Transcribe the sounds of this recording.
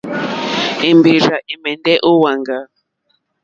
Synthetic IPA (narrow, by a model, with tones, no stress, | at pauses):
e˨mbe˨ɾa˨ʔe˨mɛ˨ndɛ˦ʔo˦wa˨ŋɡa˨